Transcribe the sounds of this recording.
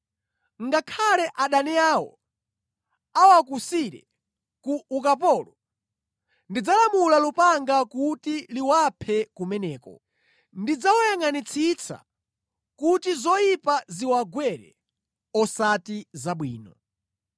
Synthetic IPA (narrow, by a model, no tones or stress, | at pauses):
ŋɡakʰalɛʔaɗaniaːwɔ̰ | awakusiɾɛ̰ | kuːkap̬ɔːlɔ | ndid͡zalamulalupaŋɡakutiliwapʰɛkumɛnɛːkɔ̰ | ndid͡zawajaŋanit͡sʰit͡sʰa̰ | kutizɔipaziwaɡwɛɾɛ̰ | ɔsatizaɓwiːnɔ